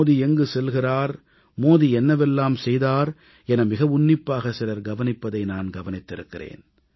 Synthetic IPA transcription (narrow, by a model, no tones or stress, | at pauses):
ðiɛŋɡɯsɛlɣɪraːɾ | moːðiɛnːɐʋɛlːaːmsɛjðaːɾ | ɛnɐmɪɣɐʋʊɳːɪpːaːɣɐsɪlɐɾɡɐʋɐnɪpːɐðɐɪnaːnɡɐʋɐnɪt̪ːɪɾɯkːɪrḛːn